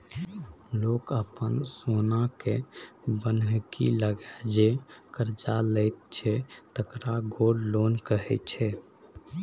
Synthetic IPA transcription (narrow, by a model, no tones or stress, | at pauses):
lokəpənsonakebənkḭləɡɛd͡ʒekəɾd͡ʒaləɪt̪̚t͡ʃʰɛt̪əkɾaɡoɽlonkəɦɛt͡ʃʰɛ